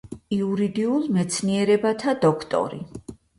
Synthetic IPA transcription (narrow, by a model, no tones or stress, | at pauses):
iuɾid̪iulˠmɛt̪sʰniɛɾɛbat̪ʰad̪ɔkʰt̪ʼɔ̰ɾḭ